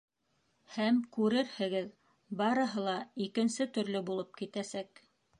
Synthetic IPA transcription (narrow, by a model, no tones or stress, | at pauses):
hæmkʉɾɘɾhɘ̆ɡɘð | bɑɾɤ̆ɦɤlˠɑikɘ̆nsɘt̪ɵ̆ɾlɘbulˠɤp̚kit̪æsæk